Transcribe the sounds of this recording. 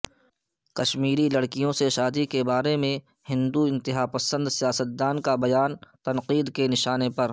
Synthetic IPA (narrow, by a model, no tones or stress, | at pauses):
kɐʃmiːɾilɐɽkijõseʃaːd̪ikebaːɾemẽ | hɪ̃nd̪uɪ̃nt̪ɪɦaːpɐsə̃nd̪sijaːsət̪̚d̪aːnkabɐjaːnt̪ɐnqiːd̪kenɪʃaːnepɐɾ